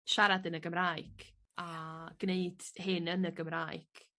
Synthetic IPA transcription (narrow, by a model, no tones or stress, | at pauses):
ʃaɾadənəɡəmɾaːjɡ̥ | aɡ̥neɨd̥hɪnənəɡəmɾaːjɡ̥